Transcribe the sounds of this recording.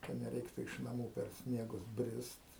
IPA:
kɐ nʲɛˈrʲɛɪktʊ ɪʃ nɐˈmuː pʲɛr ˈsʲnʲiɛɡʊs ˈbʲrʲɪst

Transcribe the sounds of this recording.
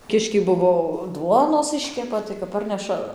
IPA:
ˈkʲɪʃʲkʲɛɪ ˈbʊʋoː ˈduɔnoːs ˈɪʃʲkʲɛpɐ tɐɪ kɐp ˈpɐrʲnʲɛʃɐ

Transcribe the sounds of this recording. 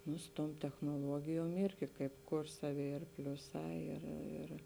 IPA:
nʊ sʊ tuɔm tʲɛxnoːˈlˠuɔɡʲɪjuɔm ˈɪrʲɡʲɪ kɐɪp ˈkʊr ˈsɑːˌʋʲɪ ɪr ˈpʲlʲʊˌsɑː ɪr ɪr

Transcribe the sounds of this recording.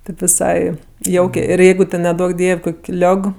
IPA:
tʲeːp ʋʲɪˈsɐɪ ˈjɛʊkʲeː ɪr ˈjɛɪɡʊ tʲɛn nʲɛˈduɔk ˈdʲiɛw ˈkoːkʲ ˈlʲoːk

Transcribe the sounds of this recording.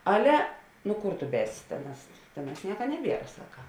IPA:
ˈɑːlʲɛ ˈnʊ ˈkʊr tʊ ˈbʲɛːsʲɪ ˈtʲeːˌnɑːs ˈtʲeːˌnɑːs ˈnʲiɛkɐ ˈnʲæːˌbʲiɛrɐ ˈsɑːkɐ

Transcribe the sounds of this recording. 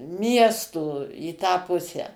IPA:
ˈmʲiɛstoː iː tɑː ˈpʊsʲæː

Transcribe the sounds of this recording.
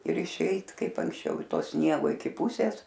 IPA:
ɪr ɪʃʲˈɛɪt ˈkɐɪp ɐŋksʲˈt͡ʃʲɛʊ ɪ ˈtoː ˈsʲnʲiɛɡoː ɪkʲɪ ˈpʊsʲeːs

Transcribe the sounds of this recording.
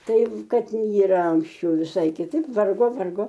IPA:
ˈtɐɪ ˈkɐt iːˈrɐ ɐŋksʲˈt͡ʃʲɛʊ ʋʲɪˈsɐɪ kʲɪˈtɐɪp ˈʋɐrɡoː ˈʋɐrɡoː

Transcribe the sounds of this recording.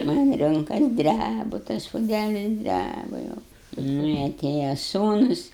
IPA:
tɐɪ mɐnʲ ˈrʊŋkɐs ˈdʲrʲæbʊ tɐs pʊˈdʲælʲɪs ˈdʲrʲæbʊ jɛʊ ˈnʊ ɪ ɐˈtʲeːjɛ ˈsuːnʊs

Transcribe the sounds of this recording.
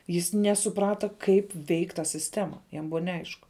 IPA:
jɪs ˈnʲæːsʊˌprɑːtɐ ˈkɐɪp ˈʋʲɛɪkʲ tɐ sʲɪsʲˈtʲæːmɐ jɛm ˈbʊʋɐ nʲɛˈɐɪʃkʊ

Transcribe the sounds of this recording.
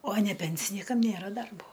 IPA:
oː nʲɛ ˈpʲɛnʲsʲɪnʲiːkɐm ˈnʲeːrɐ ˈdɐrboː

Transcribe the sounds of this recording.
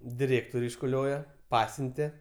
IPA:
dʲɪˈrʲeːktoːrʲ ɪʃkʊˈlʲoːjɛ ˈpɑːsʲʊnʲtʲɛ

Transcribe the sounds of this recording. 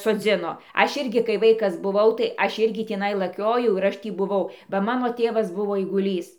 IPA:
soːˈd͡zʲɪnoː ˈɐʃ ˈɪrʲɡʲɪ kɐɪ ˈʋɐɪkɐs bʊˈʋɐʊ tɐɪ ˈɐʃ ˈɪrʲɡʲɪ tʲiːˈnɐɪ lˠɐˈkʲoːjɛʊ ɪr ˈɐʃ ˈtʲiː bʊˈʋɐʊ bɐ ˈmɑːnoː ˈtʲeːʋɐs ˈbʊʋoː ɐɪɡʊˈlʲiːs

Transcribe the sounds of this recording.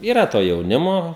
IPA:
iːˈrɐ toː jɛʊˈnʲɪmoː

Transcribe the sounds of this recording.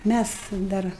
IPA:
ˈmʲæs ˈdɐr

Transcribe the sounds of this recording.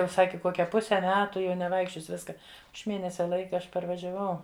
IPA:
ˈjɛʊ ˈsɑːkʲɪ ˈkoːkʲɛ ˈpʊsʲɛ ˈmʲæːtʊ jɛʊ nʲɛˈʋɐɪkʃʲt͡ʃʲoːsʲɪ ˈʋʲɪskɐ ɐʃ ˈmʲeːnʲɛsʲɛ ˈlˠɐɪkɐ ˈɐʃ pɐrʋɐʒʲɛˈʋɐʊ

